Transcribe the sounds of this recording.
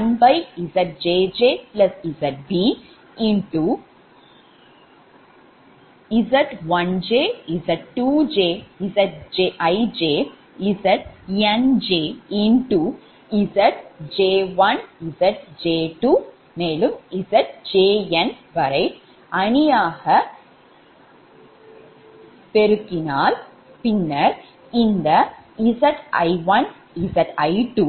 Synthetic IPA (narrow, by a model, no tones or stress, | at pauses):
ɐnbɐjizɐʈ̚d͡ʒeːd͡ʒeːplɐsizɐʈ̚biː | iɳʈu | izɐʈʋɐnd͡ʒeːizɐʈʈuːd͡ʒeːizɐʈ̚d͡ʒeʔɐjd͡ʒeː | izɐʈ̚end͡ʒeːiɳʈu | izɐʈ̚d͡ʒeːʋɐnisɐʈ̚d͡ʒeːʈuː | meːlumisɐʈ̚d͡ʒeːenʋɐɾɐɪ | ɐɳijaːhɐ | peɾɯkːinaːl | pinːɐɾ | ind̪ɐisɐʈɐ̰ɪʋɐn | isɐʈɐɪʈuː